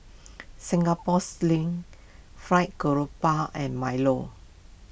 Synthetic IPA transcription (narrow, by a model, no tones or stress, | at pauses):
sĩŋɡapɔslĩŋ | fɹaɪt̚ɡoɹopaʔɛ̃nmajlo̰